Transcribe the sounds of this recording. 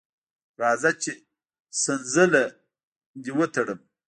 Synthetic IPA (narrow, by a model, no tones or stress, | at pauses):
ɾɑːzat͡ʃe | sənzəla | d̪iwət̪ɐɽəm